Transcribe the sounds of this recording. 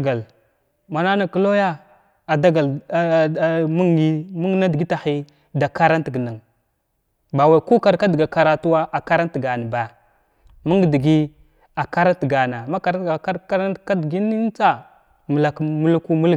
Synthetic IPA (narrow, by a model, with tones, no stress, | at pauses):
ɡa˨l | ma˨na˦na˨ki˦lo˦ja˦ | a˨da˦ɡa˨l | mu˦ŋ˦ɡi˦mu˦ŋ˦na˦di˨ɡi˦ta˨xi˦ | da˨ka˦ɾa˦n˦ti˨ɡna˨ŋ | ba˨wa˨ku˦ka˨ɾka˦di˨ɡa˨ka˨ɾa˦tu˦wa˦ʔa˨ka˦ɾa˦n˦ti˨ɡa˨na˨ba˨ | mu˦ŋ˨di˨ɡi˦ | a˨ka˦ɾa˦n˦ti˨ɡa˨na˨ma˦ka˨ɾa˦˨a˦ka˦ɾa˦n˦ka˦dɡi˦ni˦n˦t͡sa˦ | mə˨la˨kmu˦lku˦mu˦l